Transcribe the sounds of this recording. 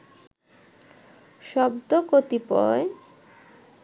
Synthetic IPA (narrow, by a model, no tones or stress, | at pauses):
ʃɔbd̪okot̪ipɔ̰e